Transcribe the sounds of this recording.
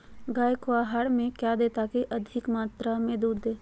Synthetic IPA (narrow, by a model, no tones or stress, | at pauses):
ɡaːjkoaɦaːɽmẽkjad̪eːt̪akiʔɐd̪ʱɪkmaːt̪ɾamẽd̪uːɾd̪eː